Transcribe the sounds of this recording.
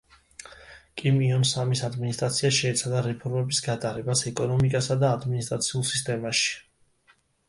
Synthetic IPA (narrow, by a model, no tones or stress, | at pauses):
kʼimiɔnsamisad̪minist̪ʼɾat̪sʰiaʃɛːt̪sʰad̪aɾɛpʰɔɾmɛbisɡat̪ʼaɾɛbasɛkʼɔnɔmikʼasad̪aːd̪minist̪ʼɾat̪sʰiulˠsi̥st̪ʼɛmaʃi̥